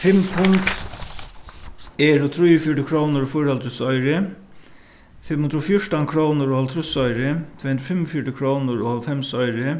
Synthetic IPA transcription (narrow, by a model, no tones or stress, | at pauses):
fɪmpʰʊŋt̪ | ɛːɾʊt̪ʰɾujʊfjɔʈɪkʰɾoːwnʊɾfʊjɾalt̪ʰɾʊsɔʏɾɪ | fɪmːhʊnd̪ɾʊfjʊʈankʰɾownʊɾhɔlt̪ʰɾʊsɔjɾɪt̪ʰvɛːhnd̪ɾʊfɪmːɔfjɔʈɪkʰɾownʊɾɔhɔlfɛmsɔjɾɪ